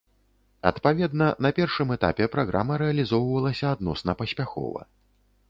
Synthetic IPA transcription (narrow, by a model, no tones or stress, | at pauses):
ɐ̰t̪pavʲɛd̪nɐnɐpʲɛrʂɨmɛt̪a̰pʲɛpɾaɣɾa̰mɐɾɛɐlʲizɔwvɐlˠɐsʲɐad̪nɔsnɐpɐsʲpʲaxɔ̰vɐ̰